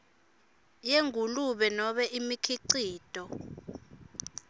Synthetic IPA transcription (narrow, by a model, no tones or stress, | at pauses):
jeŋʱuluɓɛnɔɓɛʔimikʰiǀiːd̥ʱʼɔ